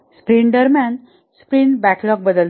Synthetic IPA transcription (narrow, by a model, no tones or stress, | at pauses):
spɾiɳɖəɾman | spɾinbæklɔk̚bəd̪əl